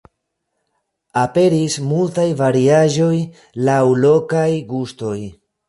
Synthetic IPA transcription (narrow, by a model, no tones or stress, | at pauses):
ape̞ɾismultajvaɾiaʒo̞j | lawlo̞kajɡusto̞j